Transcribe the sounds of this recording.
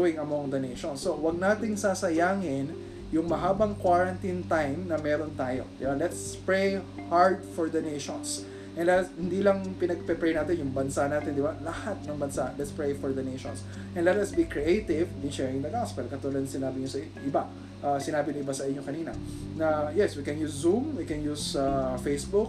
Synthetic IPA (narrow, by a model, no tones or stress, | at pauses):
wɪŋɐmoŋd̪ɐnejʃonsːowɐɡ̚naːt̪ɪŋsaːsɐjaːŋɪn | jʊŋmɐɦaːbɐŋkwaɹɐnt̪int̪ajmnɐmɛːɾont̪aːjo̞̰d̪ɪbalɛt̪s | pɹejhaɹd̪fɔɹd̪ɐnejʃons | ʔɛnlɛt̪shɪnd̪iːlɐŋpɪnɐɡ̚pɛpɹɛjnaːt̪ɛnjʊŋbɐnsanaːt̪ɛnd̪ɪbalɐhat̪̚nɐŋbɐnsaʔlɛt̪spɹejfɔɹd̪ɐnejʃõ̰ns | ʔɛnlɛt̪ɐsbikɹiʔejt̪ɪvniʃɛɹɪŋd̪ɐɡaspɛlkɐt̪ʊlɐd̪sɪnaːbɪɲosɐ | ʔɪba | ʔasɪnaːbɪnɐʔɪbasɐʔɪɲːokɐniːnɐ̰ | nɐjɛswikɛ̃njuːsːumwikɛnjuːsafejsbʊk̚